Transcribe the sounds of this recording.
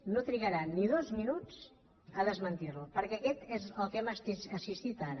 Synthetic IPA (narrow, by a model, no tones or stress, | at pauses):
not̪ɾiɣəɾanːiðozminut͡s | əðəzmənt̪irlupəɾkɛːkɛt̪ezəlˠkɛməsiəsist̪it̪aɾə